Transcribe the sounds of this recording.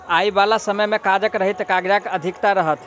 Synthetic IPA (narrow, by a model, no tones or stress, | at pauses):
ajbalasəməjmekad͡ʒəkɾəɦit̪kaɡd͡ʒakəd̪ʱikt̪aɾəɦət̪